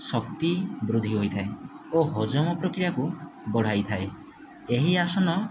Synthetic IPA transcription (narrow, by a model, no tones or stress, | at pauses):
sɔkt̪ibɾud̪ʱiɦojt̪ʰae | oɦɔd͡ʒɔmɔpɾɔkɾijakubɔɽ̤ajt̪ʰae | eɦiasɔnɔ